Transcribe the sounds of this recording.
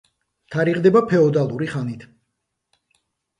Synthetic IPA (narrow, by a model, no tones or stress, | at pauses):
t̪ʰaɾiʁd̪ɛbapʰɛɔd̪alˠuɾiχanit̪ʰ